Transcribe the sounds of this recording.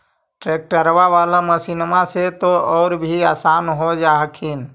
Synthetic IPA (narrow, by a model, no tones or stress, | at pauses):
ʈɾek̚ʈəɾbaʋalaməsinmaset̪oɔːɾbʱiaːsanɦod͡ʒaɦkʰin